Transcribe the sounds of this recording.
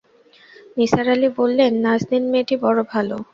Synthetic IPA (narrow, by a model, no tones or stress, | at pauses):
nisaɾalibolːenːad͡ʑd̪inmeʈibɔɽobʱalo